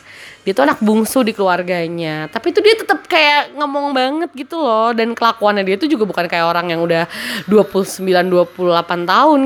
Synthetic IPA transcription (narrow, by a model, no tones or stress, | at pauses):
diat̪uanak̚buŋsudikəluarɡaɲat̪apit̪udiat̪ət̪əp̚kajaŋəmɔŋbaŋət̪̚ɡit̪ulɔhdankəlakuanɲːadiat̪ud͡ʒuɡabukankajaoɾaŋjaŋudahduapulusəmbilanduapuluhlapant̪aɦʊn